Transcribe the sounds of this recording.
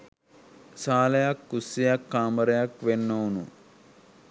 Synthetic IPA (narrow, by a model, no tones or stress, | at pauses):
saːlɐjakːusːijakːaːməɾɐjakʋenːoːnu